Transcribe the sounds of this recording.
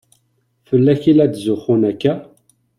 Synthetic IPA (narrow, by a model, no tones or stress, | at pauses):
fəlːæçilæd̪zʊχʊnækːæ